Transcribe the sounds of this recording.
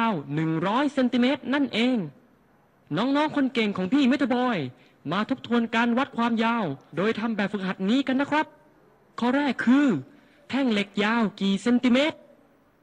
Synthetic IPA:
wnɯ˨˩ŋɾɔː˦˥jse˧nt̪i˧meː˦˥t̪̚na˥˩nʔeː˧ŋ | nɔː˦˥ŋnɔː˦˥ŋkʰo˧nke˨˩ŋkʰɔː˩˦ŋpʰiː˥˩me˦˥t̪ʰo˧bɔː˧j | maː˧t̪ʰo˦˥p̚t̪ʰu˧ənkaː˧nwa˦˥t̪̚kʰwaː˧mjaː˧wdoː˧jt̪ʰa˧mbɛː˨˩p̚fɯ˨˩k̚ɦa˨˩t̪̚niː˦˥ka˧nːa˦˥kʰɾa˦˥p̚ | kʰɔː˧˩ɾɛː˥˩kʰːɯː˧ | t̪ʰɛ˥˩ŋle˨˩k̚jaː˧wkiː˨˩se˧nt̪i˧meː˦˥t̪̚

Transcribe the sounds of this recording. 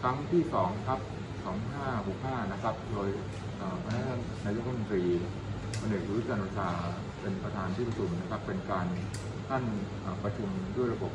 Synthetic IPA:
kʰɾa˦˥ŋt̪ʰiː˥˩sɔː˩˦ŋkʰa˦˥p̚ | sɔː˩˦ŋɦaː˥˩kʰuː˨˩˥k̚ʰːaː˥˩na˦˥kʰɾa˦˥p̚doː˧j | ʔəː˨˩pʰa˧t̪ʰaː˥˩a˥˩naː˧jo˦˥k̚ʰːm˩˧nt̪ɾiː˧ | pʰo˧ne˨˩k̚ʰu˧wu˦˥t͡ɕaː˧nɾa˧sʰaː˧ | pe˧npɾa˧t̪ʰaː˧nt̪ʰi˥˩pʰa˧˩u˨˩nːa˦˥kʰa˦˥pːe˧nkaː˧n | t̪ʰa˥˩nʔəː˨˩pɾa˧t͡ɕʰu˧mdu˥˩əjɾa˧bo˨˩p̚

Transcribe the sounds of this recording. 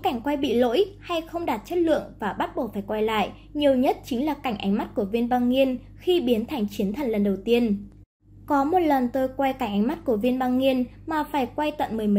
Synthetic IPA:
ka˧˩jŋ̟kwa˧jɓḭ˧˨lo̰˧˥jha˧jxə˧wŋ͡mɗaː˨˩t̚t͡ɕə˦˥t̚lɨ̰˧˨əŋvaː˨˩ɓa˦˥t̚ɓo˧˩faː˧˩jkwa˧jla̰ː˧˨j | ɲi˨˩əwɲə˦˥t̚t͡ɕï˨˦ŋ̟laː˨˩ka˧˩ŋʔa˨˦ŋ̟ma˦˥t̚ku˧˩əvi˧ənɓaː˧ŋŋi˧ən | xi˧ɓi˨˦ənt̪ʰa˨˩ŋ̟t͡ɕi˨˦nt̪ʰə˨˩nlə˨˩nɗə˨˩wt̪i˧ən | kɔ˨˦mo˨˩t̚lə˨˩nt̪o˧jkwa˧jka˧˩ŋ̟ʔa˨˦jŋ̟ma˦˥t̚ku˧˩əvi˧ənɓaː˧ŋŋi˧ən | maː˨˩faː˧˩jkwa˧jt̪wə̰˧˨nmɨ˨˩m˨˦

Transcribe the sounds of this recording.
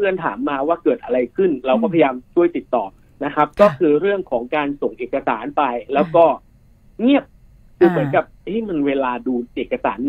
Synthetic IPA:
ɯ˧ənt̪ʰa̰ː˩˦mːaː˧waː˥˩kɤː˨˩t̪̚ʔa˧ɾa˧jkʰɯ˥˩nɾa˧wkɔː˥˩pʰa˧ja˧jaː˧mt͡ɕʰu˥˩əjt̪i˨˩t̪ːɔː˨˩ | na˦˥kʰa˦˥p̚kɔː˥˩kʰɯː˧ɾɯ˥˩əŋkʰɔː˩˦ŋkaː˧nso˨˩ŋʔeː˨˩ka˧saː˩˦npa˧jlɛː˦˥wkɔː˥˩ | ŋi˥˩əp̚ | kʰɯː˧mɯ˩˦nka˨˩p̚ʔa˦˥˩jma˧nweː˧laː˧duː˧ʔeː˨˩kːa˧sa̰ː˩˦nː

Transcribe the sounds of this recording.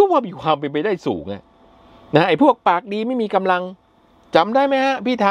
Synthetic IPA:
waː˥˩miː˧˩kʰwaː˧mpe˧np̬a˧jdaː˥˩jsṵː˩˦ŋʔa̰˧˩ | na˦˥ʔa˨˧˩jpʰu˥˩ək̚paː˨˩k̚diː˧ma˥˩jmiː˧ka˧mla˧ŋ | t͡ɕa˨˧˦mdaː˥˩jma˦˥˩jha˦˥ʔpʰiː˥˩t̪ʰaː˧

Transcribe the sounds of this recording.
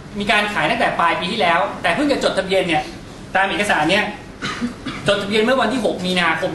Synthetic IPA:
miː˧kaː˧nkʰaː˨˩˦jt̪a˥ŋt̪ɛː˨˩paː˧jpiː˧t̪ʰiː˥˩lɛː˦˥wt̪ɛː˨˩pʰɯ˥˩ŋt͡ɕa˨˩t͡ɕo˨˩t̪ʰa˧bi˧ənːi˥˩ə | t̪aː˧mʔeː˨˩ka˧saː˩˦nːi˦˥ɐ | t͡ɕo˨˩t̪ʰa˧bi˧ənm˥˩ɐwa˧nt̪ʰiː˥˩ɦo˨˩k̚miː˧naː˧kʰo˧m

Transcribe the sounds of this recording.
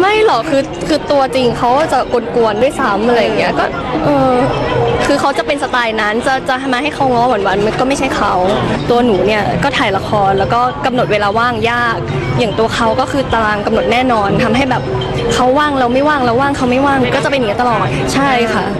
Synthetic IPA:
ma˥˩jlɔ˩˦kʰɯː˧ | kʰɯː˧t̪u˧ɐt͡ɕi˧ŋkʰa˦˥wt͡ɕa˨˩ko˧nku˧əndu˥˩əjsa˦˥mʔa˧ɾa˧jŋːi˦˥ɐkɔː˥˩ | ʔɤː˧ | kʰɯː˧kʰa˦˥wt͡ɕa˨˩pe˧nsa˧t̪aː˧jna˦˥nt͡ɕa˨˩t͡ɕa˨˩a˧maː˧ɦa˥˩jkʰa˦˥wŋɔː˦˥mɔ˩˦nwaː˧nma˧nkɔː˥˩ma˥˩jt͡ɕʰa˦˥˩jkʰa˦˥wt̪u˧ɐnuː˩˦ni˥˩ɐkɔː˥˩t̪ʰaː˨˩jla˧˦˥xʰɔː˧nlɛː˦˥wkɔː˥˩ka˧mno˨˩weː˧laː˧waː˥˩ŋjaː˥˩k̚ | jaː˨˩ŋt̪u˧ɐxʰa˦˥wkɔː˥˩kʰɯː˧t̪a˧laː˧ŋka˧mno˨˩t̪̚nɛː˥˩nɔː˧nt̪ʰa˧mɦa˥˩jbɛː˨˩p̚ | kʰa˦˥wːaː˥˩ŋlɛː˦˥wma˥˩jwaː˥˩ŋlɛː˦˥waː˥˩ŋkʰa˦˥wma˥˩jwaː˥˩ŋkɔː˥˩t͡ɕa˨˩pe˧ni˦˥˩t̪a˧lɔː˨˩a˨˩t͡ɕʰa˥˩jkʰa˥˩

